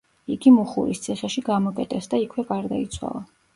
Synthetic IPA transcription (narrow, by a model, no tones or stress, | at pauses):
iɡimuχṵɾḭst̪sʰiχɛʃiɡamɔkʼɛt̪ʼɛsd̪aikʰwɛɡaɾd̪ait̪sʰwa̰lˠa